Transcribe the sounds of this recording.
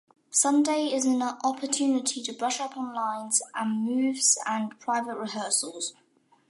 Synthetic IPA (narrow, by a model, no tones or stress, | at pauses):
sʌ̃ndeɪɪzə̃nʔɒpʰətʰʉːnɪtʰitʰəbɹʌʃʌpʰɒ̃nlãɪ̃nz̥ʔə̃nmʉːvz̥ə̃npʰɹ̥aɪvəʔɹɪɦɜˑsəlˠz̥